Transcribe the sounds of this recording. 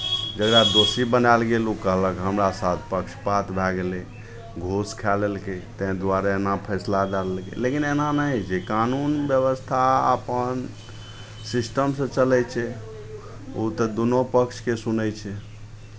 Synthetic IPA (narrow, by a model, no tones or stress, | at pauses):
d͡ʒəɡɾad̪osibənalɡelukəɦləkɦəmɾasat̪̚ʰpəkt͡ʃʰpat̪ʰbʱɛɡele | ɡʱoskʰɛləlket̪ɛ̃d̪waɾeenapʰɛslad̪aləlkḛlekinenanəɦid͡ʒekanunbjəβəst̪ʰaə̰pən | sisʈəmsə̃t͡ʃəlɛt͡ʃʰɛ | ut̪əd̪unopəkt͡ʃʰkesunət͡ʃʰɛ